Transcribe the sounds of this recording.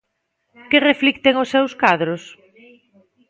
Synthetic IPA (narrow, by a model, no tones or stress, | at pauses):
kɪreflik̚t̪eŋʊsːewskaðɾʊs